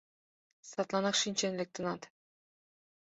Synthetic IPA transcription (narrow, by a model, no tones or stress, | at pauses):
sɑt̪lˠɑnɑqʃinʲt͡ʃenlek̚t̪ʰɯnɑt̪